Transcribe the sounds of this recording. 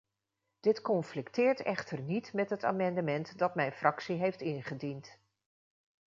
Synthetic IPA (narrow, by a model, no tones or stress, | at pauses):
d̥ɪtkɔnflɪktɪːɹtɛχtəɹnitmɛtɦəta̰ːmɑndəmɛntdɑtmɛjnfrʔɑksiɦejftɪnχədint